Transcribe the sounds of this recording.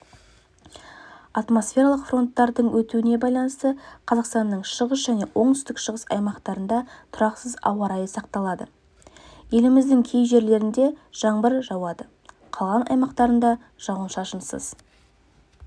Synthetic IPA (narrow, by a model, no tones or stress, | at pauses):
ɑt̪mo̞sfʲe̞ɾaɑlˠəqfro̞nt̪ːɑɾd̪əɴwɵt̪uɪne̞bɑjlˠɑnəst̪əqʰɑzɑqst̪ɑnːəɴʃəʁəs̬ʒæne̞wʔo̞ɴt̪ʰʏst̪ɪkʃəʁəsɑ̰jmɑqt̪ɑɾənd̪ɑt̪ʰʊɾɑqsəzɑ̰wɑɾɑjəsɑqt̪ɑlˠɑd̪ə | je̞lɪmɪzd̪ɪŋkʲʰe̞jʒe̞ɾle̞ɾɪnd̪e̞ʒ̥ɑɴbəɾʒɑwɑd̪ə | qʰɑlˠʁɑnɑ̰jmɑqt̪ɑɾənd̪ɑ | ʒ̥ɑwənʃɑʃənsə̰z̥